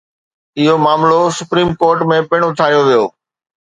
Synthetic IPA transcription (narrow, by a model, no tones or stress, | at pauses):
ɪɦomaːmlosʊpɾiːmkoːɾʈmẽpɪɽ̃ot̪ʰaːijoʋijoː